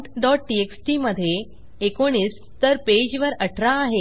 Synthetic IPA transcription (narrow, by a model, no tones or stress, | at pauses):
ʈɖɔʈ̚ʈieksʈiməd̪ʱːjeː | koɽ̃iːs | t̪əɾped͡ʑʋəɾəʈʰɾaːɦe